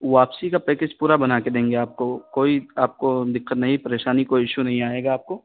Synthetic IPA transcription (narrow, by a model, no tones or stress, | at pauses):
ʋaːpsikapeːked͡ʒpuːɾabɐnaːked̪ẽːŋɡeaːp̚kokoːiaːp̚kod̪ɪkʰːət̪nɐɦĩpɐɾeːʃaːnikoːiɪʃunɐɦĩaːeːɡaːp̚koː